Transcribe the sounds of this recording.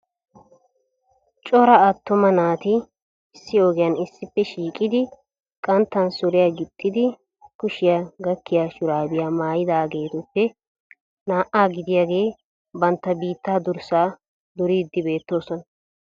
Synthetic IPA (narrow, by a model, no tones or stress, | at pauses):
t͡ʃʼɔɾɐɐt̪ːɔmɐnaːt̪ɪ | ɪsːɪɔɡɛjɐnɪsːɪpːɛʃiːkʼːɪd̪ɪ | kʼɐnt̪ːɐnsɔɾɪjaɡɪt̪ʼːɪd̪ɪ | kʊʃɪjaɡɐkːɪjaːʃʊɾaːbɪjaːmaːjɪd̪aːɡe̞ːt̪ɔpːɛ | naːʔaːɡɪd̪ɪjaːɡe̞ː | bɐnt̪ːɐbiːt̪ːaːd̪ʊɾsaː | d̪ʊɾiːd̪ːɪbe̞ːt̪ːo̞ːsɔnɐ